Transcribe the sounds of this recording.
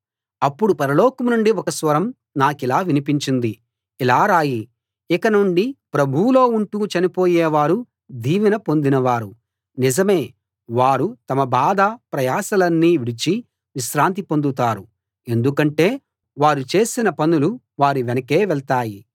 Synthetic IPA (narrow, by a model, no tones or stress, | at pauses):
ɐpːuɽupɐɾɐlɔːkɐmnuɳɖiɔkɐsʋɐɾɐm | naːkilaːʋinipiɲt͡ʃind̪i | ilaːɾaːji | ikɐnuɳɖipɾɐbʱulo̞ːuɳʈuːt͡ʃɐnipo̞ːjɛːʋaːɾu | d̪ʱiːʋinɐpo̞nd̪inɐʋaːɾu | nizɐme̞ː | ʋaːɾut̪ɐmɐbaːd̪ɐpɾɐjaːsɐlɐnːiːʋiɽit͡ʃi | ʋiʃɾaːnt̪̬ipo̞nd̪ut̪aːɾu | e̞nd̪ukɐɳʈe̞ː | ʋaːɾut͡ʃe̞ːsinɐpɐnulu | ʋaːɾiʋɛnɐke̞ːʋɛɭt̪aːji